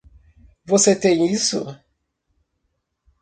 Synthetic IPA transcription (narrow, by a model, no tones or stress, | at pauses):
voset̪ẽj̃isʊ̰